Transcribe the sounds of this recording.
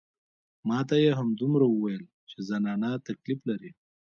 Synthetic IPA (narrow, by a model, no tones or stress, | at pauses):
mɑt̪ajeɦamd̪umɾawəwajəl | t͡ʃezanɑnat̪akliflaɾi